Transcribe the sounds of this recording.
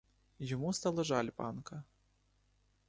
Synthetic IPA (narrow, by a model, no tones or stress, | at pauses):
jɔmust̪alˠɐʐalʲpa̰nkɐ